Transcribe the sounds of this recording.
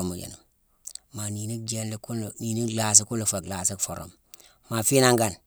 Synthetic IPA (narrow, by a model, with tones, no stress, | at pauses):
o˨mu˨d͡ʒḛ˨nu˨ | ma˨ni˨ni˦d͡ʒe˦nli˦ku˦n˨ni˨ni˦la˨s̬i˦ku˦lo˨fa˨kla˨si˦kfo˨ɾo̰˨m | ma˨fi˦na˦ŋɡa˨n